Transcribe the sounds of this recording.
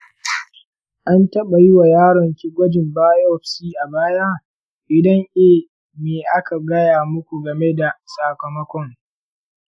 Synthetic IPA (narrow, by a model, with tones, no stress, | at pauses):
ʔa˦ntɐ˦ɓa˨ji˦wa˨jaː˦ɽɔ˨ŋkʲi˦ɡʷɐ˦d͡ʒɪ˨mbaː˦jɔ˦˨ɸsiː˦ʔa˨baː˦ja˦ | ʔɪ˨dɐ˦ŋʔeː˦˨ | meː˨ʔa˦ka˨ɡɐ˦jaː˨mʊ˦kʷu˨ɡɐ˨me˦da˨saː˨kɐ˨mɔ˦kʷɔ˦ŋ